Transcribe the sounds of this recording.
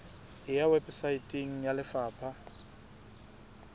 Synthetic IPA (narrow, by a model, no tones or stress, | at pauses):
ɪjawɛbsaitʼiŋ̩jalɪfaːpʰa